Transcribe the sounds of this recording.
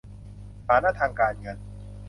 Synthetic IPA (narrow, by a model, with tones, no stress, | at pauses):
sʰaː˨˦na˦˥t̪ʰaː˧ŋkaː˧nŋɤ˧n